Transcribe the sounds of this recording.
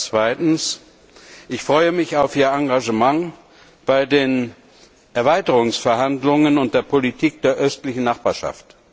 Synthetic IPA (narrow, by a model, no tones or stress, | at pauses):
t͡sv̥aɪtn̩s | ʔɪçfʁ̥ɔʏəmɪçaʊfiːɐaŋɡaʒəmaŋ | b̥aɪdeːn | ʔɛɐvaɪtəʁʊŋsfɛɐɦandlʊŋənʊnt̚d̥eːɐpʰolitʰiːk̚d̥eːɐʔœstlɪçn̩naχb̥aːɐʃa̰ft